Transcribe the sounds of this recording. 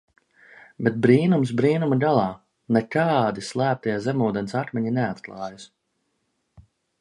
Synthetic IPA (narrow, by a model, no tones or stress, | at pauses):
bɛt̪̚bɾiːnums̬bɾiːnumaɡ̪alˠɑː | nɛt̪aːd̪islˠæːp̚t̪ajazɛmuːd̪ɛnsat̪mʲɛɲinɛat̪klˠɑːjas